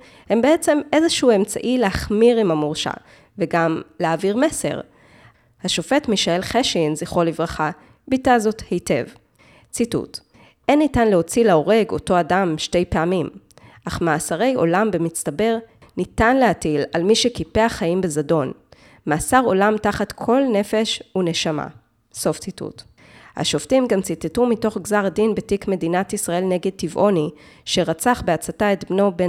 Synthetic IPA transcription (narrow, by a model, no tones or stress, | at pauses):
he̞mbe̞et͡se̞me̞zeʃuue̞mt͡sa̰ʔilehaχmiʁimhamoʁʃa̰ | veɡamleaviʁme̞se̞̰ʁ | haʃo̞fe̞tmiʃaelχeʃinziχolivʁaχa | bitazo̞thejte̞̰v | t͡sitṵt | ʔenːitanleɦo̞t͡silao̞ʁe̞ɡo̞̰to̞adamʃte̞jpeamim | ʔaχmaːsaʁe̞jo̞̰lambemit͡stabe̞ʁnitanleatilalmiʃekipeaχaimbezado̞n | maːsaʁo̞lamtaχatkʰo̞lne̞fe̞ʃune̞ʃama̰ | so̞ft͡sitṵt | ha̰ʃo̞ftimɡamt͡sit̪etumito̞χɡzaʁdinbetikme̞dinatisʁae̞lne̞ɡed̚tivʔo̞ni | ʃe̞ʁat͡saχbeat͡satae̞tbno̞be